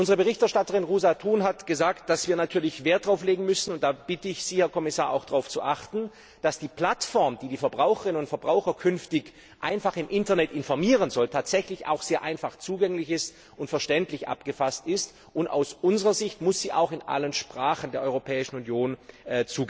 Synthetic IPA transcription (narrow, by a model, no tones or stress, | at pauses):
ʔʊnzəʁəbəʁɪçtɛɐʃtatəʁɪnʁuːzatʰuːnɦatɡ̥əzaːkt̚d̥asv̥iːɐnatʰyːɐlɪçv̥eːɐt̚d̥ʁaʊfleːɡŋ̩mʏsn̩ʊntd̥aːb̥ɪtəɪçz̥iːhɛɐkʰɔmɪsaːɐʔa̰ʊxd̥ʁaʊft͡suʔaχtn̩ | d̥asd̥iːpl̥atfɔɐmd̥iːdiːfɛɐbʁaʊxəʁɪnʊntfɛɐbʁaʊxɐkʰʏnftɪç | ʔa̰ɪnfaχɪmʔɪntɐnɛtɪnfɔɐmiːʁənzɔltʰaːtz̥ɛçlɪça̰ʊxz̥eːɐʔa̰ɪnfaχt͡suːɡɛŋlɪçɪst | ʔʊntfɛɐʃtɛntlɪçʔa̰pɡ̥əfastɪst | ʔʊnta̰ʊsʔʊnzəʁɐzɪçtmʊsz̥iːʔa̰ʊxɪnʔa̰lənʃpʁ̥aːχəndeːɐʔɔʏʁopʰɛːɪʃn̩unjoːnːt͡suːɡ